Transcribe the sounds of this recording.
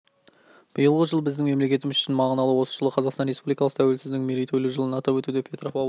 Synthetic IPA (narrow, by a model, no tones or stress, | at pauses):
b̥əjəlˠʁəʒəlˠbɪzd̪ɪŋme̞mle̞kʲe̞t̪ɪmɪzʏʃɪnmɑʁənɑlˠəwo̞sə̥ʒəlˠəqʰɑzɑqsɑnre̞spublijkɑlˠəqt̪ʰæwe̞lsɪzd̪ɪŋmelejt̪ʰojlʲɪʒəlˠənɑt̪ɑpwɵt̪ud̪epʰe̞t̪ɾofɑ